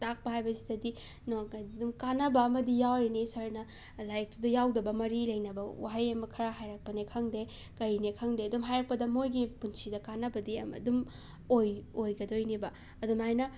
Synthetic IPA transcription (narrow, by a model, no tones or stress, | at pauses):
tak̚pɐɦajbɐsi̥tɐdi | nodumkanːɐbɐːmɐdijawɾinisɐɾnɐ | lajek̚tudɐjawdɐbɐmɐɾilɐjnɐbɐwa̰ɦajɐmbɐkʰɐɾaɦajɾak̚pɐnekʰɐŋde | kɐɾinekʰɐŋdeɐdumɦajɾak̚pɐdɐmojɡipunsidɐkanːɐbɐdiɐ̰mɐ̰dum | ojojɡɐdojnibɐ | ɐdumajnɐ